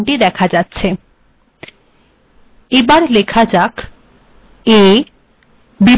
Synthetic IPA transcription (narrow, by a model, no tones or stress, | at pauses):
ɳʈid̪ɛkʰad͡ʑatːɕʰe | ebaɾlekʰad͡ʑak | e | bi